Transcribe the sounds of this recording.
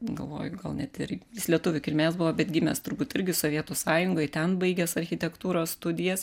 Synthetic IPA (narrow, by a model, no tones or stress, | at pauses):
ɡɐ̰lˠʋo̰ːjʊɡɐlˠnʲɛt̪ɪɾjʲɪslʲiɛt̪ʊʋʲʊkʲɪlʲmʲeːsbʊʋoːbʲɛt̪ɡʲɪmʲɛ̰st̪ʊɾbuːt̪ɪɾʲɡʲɪsoʋʲiɛt̪ʊsɑːjʊŋɡoːɪt̪ʲɛnbɐɪɡʲɛsɐɾʲxʲɪt̪ʲɛkt̪uːɾoːsst̪ʊd̪ʲɪjɛs